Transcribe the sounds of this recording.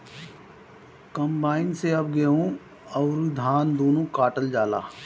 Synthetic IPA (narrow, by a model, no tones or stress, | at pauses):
kɐmbaːɪnseɐb̚ɡeːɦõ | ɐʊɾid̪ʱaːnd̪oːnõːkaːʈəld͡ʒaːla̰ː